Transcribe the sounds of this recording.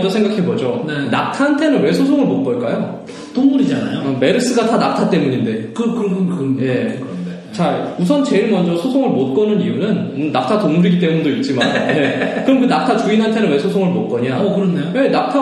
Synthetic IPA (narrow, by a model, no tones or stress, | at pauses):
d͡ʑʌsʰe̞ŋɡakʰe̞bʌd͡ʑonenap̚tʰantʰe̞nɯnwe̞sʰosʰoŋɯɭmot̚k͈ʌɭk͈ajo | toŋmuɾid͡ʑanajome̞ɾɯs͈ɯɡatanap̚tʰat͈e̞muɲinde̞kkɾkje̞ke | t͡ɕaɭusʰʌnt͡ɕe̞iɭmʌnd͡ʑʌsʰosʰoŋɯɭmot̚k͈ʌnɯnijunɯnɯnːap̚tʰatoŋmuɾiɡit̬͈e̞mundoit̚t͡ɕ͈imanje̞kɯɾʌmkɯnap̚tʰat͡ɕuinɦantʰe̞nɯnwe̞sʰosʰoŋɯɭmot̚k͈ʌɲakɯɾʌnːeowe̞nap̚tʰa